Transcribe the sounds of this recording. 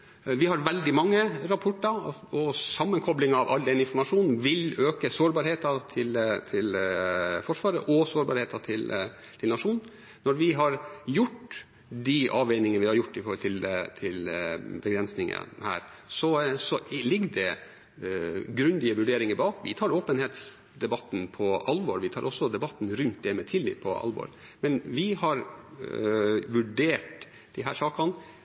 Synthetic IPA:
ʋɪhɑɾʋɛld̪ɪmɑŋːəɾɑpʰɔʈːɑɔsɑmːənkʰɔblɪŋɑʋʔɑ̰ld̪ɛnɪnfɔɾmɑʂuːnn̩ʋɪløːkəsoːɾbɑːɾheːt̪ɑt̪ʰɪlt̪ʰɪl | fɔʂʋɑːɾəʔɔsoːɾbɑːɾheːt̪ɑt̪ʰɪl | t̪ʰɪlnɑʂuːn | nɔɾʋɪɦɑɾjʊʈː | d̪ɪʔɑːʋɛɪnɪŋənəʋɪhɑɾjʊʈːɪfɔɾhɔlt̪ʰɪlt̪ʰɪlbɛɡɾɛnsnɪŋə̰hæ̰ːɾsɔsɔlɪɡːd̪ɛ | ɡɾʉnd̪ɪəʋʉɖeːɾɪŋəɾbɑːkʋɪt̪ʰɑːɾoːpənheːt̪s | d̪ɛbɑt̪ːn̩pʰɔʔɑlʋɔːɾʋɪt̪ʰɑːɾʔɔsːɔd̪ɛbɑt̪ːn̩ɾʉnt̪̚d̪ɛmɛt̪ʰɪlːɪ̰ːp̚pʰːɔɑ̰lʋɔ̰ɾ | mɛnʋɪhɑɾ | ʋʉɖeːʈ | d̪̥ɪɦæːʂɑːkɑn

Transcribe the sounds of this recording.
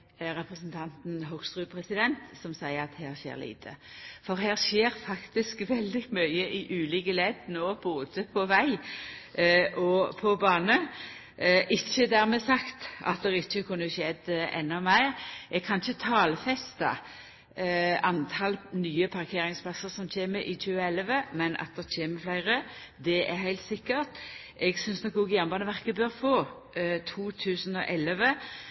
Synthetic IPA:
ɾɛpɾɛsnt̪ʰɑnt̪n̩ɦɔɡst̪ʁʉːpʰɾɛsɪd̪ɛnt̪sɔmsæɪəɑt̪hæːʁçḛːɾlḭːt̪ʰə̰fɔʁɦæːʁʃeːɾfɑkt̪ɪskʋɛld̪ɪmœʏəʔɪʔʉːliːkəlɛd̪noːb̥oːd̪əpʰɔʋæɪ | ʔɔpʰɔbɑːnə | ʔɪçːəd̪æʁmɛsɑkt̪ɑ̰t̪̚d̪ɛʁɪçːəkʰʉnːəʃɛd̪ɛ̰nːɔmæɪʁʔɛɡ̚kʰɑnɪçət̪ʰɑːlfɛst̪ɑ̰ | ʔɑnt̪ʰɑlnyːəpʰɑʁkʰeːʁɪŋspʰlɑsəʁsɔmc͡çeːməʔɪc͡çʉːəɛlʋəmɛnɑ̰t̪̚d̪ɛʁc͡çeːməflæɪʁə | d̪ɛʔɛɾhæɪlt̪sɪkːəʁt̪ | ɛɡsʏnsnɔkʊɡjæʁnbɑːnəʋæʁkəbøʁfoː | t̪ʰuːt̪ʰʉːsənɔʔɛlʋə

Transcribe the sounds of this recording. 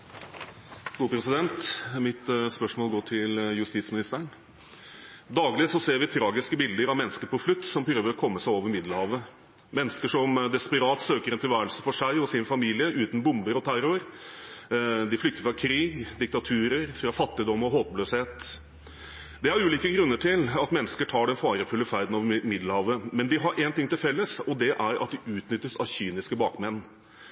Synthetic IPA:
ɡ̥uːpʰɾɛsɪd̪ɛnt̪mɪt̪spœʂmoːlɡoːʈʰɪljʉst̪iːt̪smɪnɪst̪əɳ | d̪ɑːɡlɪsɔseːɾʋɪt̪ʰɾɑːɡɪskəbɪld̪əɾɑʋmɛnːəskəpɔflʉt̪ːsɔmpʰɾøːʋəɾɔkʰɔmːəsæɪoːʋəɾmɪd̪l̩hɑːʋə | mɛnːəskəʂɔmd̪ɛspəɾɑːt̪søːkəɾɛnt̪ʰɪlʋæːɾəɭsə̥fɔʂæɪɔsɪnfɑmiːlɪəʔʉːt̪nbʊmbəɾɔt̪ʰæɾʊɾ | d̪ɪflʏk̚t̪əɾfɾɑkʰɾiːɡd̪ɪk̚t̪ɑt̪ʰʉːɾəɾfɾɑfɑt̪ːɪd̪ɔmɔɦoːt̪̚bløːsheːt̪ | d̪ɛæɾʉːliːkəɡɾʉnːəʈʰɪlɑt̪mɛnːəskəʈʰɑːɖɛnfɑːɾəfʉlːəfæɾd̪n̩oːʋəmɪd̪lhɑːʋəmɛnd̪ɪɦɑɾʔɛnt̪ɪŋt̪ɪlfɛlːəsɔd̪ɛʔæɾɑ̰t̪̚d̪ɪʔʉːt̪nʏt̪ːəsɑ̰ʋɕyːnɪskəbɑːkmɛnː

